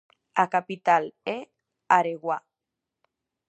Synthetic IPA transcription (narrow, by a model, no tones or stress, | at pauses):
akapit̪ale | aɾeɣwa